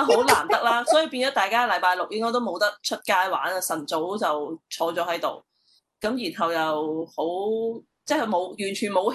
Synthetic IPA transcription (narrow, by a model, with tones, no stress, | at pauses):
ɦo˨˥wlaː˨˩mt̪ɐ˥k̚laː˥sɔː˨˥ji˨˧wpiː˧nt͡sɔː˨˥t̪aː˨jkaː˥˨lɐ˨˥jpaː˧jlk̚jɪ˥ŋkɔː˥jt̪o˥wmo˨˧wt̪ɐ˥k̚t͡ʃʰɵ˥t̚kaː˥jwa̰ː˨˥nɐ˧sɐ˨˩nt͡so˨˥wt͡sɐ˨wt͡ʃʰɔː˧t͡sɔː˨˥hɐ˨˥jt̪o˨w | kɐ˨˥mjiː˨˩nɦɐ˨wjɐ˨who˨˥w | t͡sɛ˥˩kʰɵ˨˧mo˨˧wjyː˨˩nt͡ʃʰyː˨nmo˨˧w